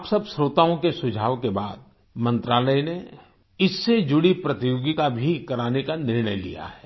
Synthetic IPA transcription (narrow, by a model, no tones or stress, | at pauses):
psɐbsɾoːt̪aːõkesʊd͡ʒʱaːʋkebaːd̪̚ | mɐ̃nt̪ɾaːləjne | ɪsːed͡ʒʊɽipɾɐt̪ijoːɡk̪abʱikɐɾaːnekanɪɾɳəjlḭja̰ɦɛː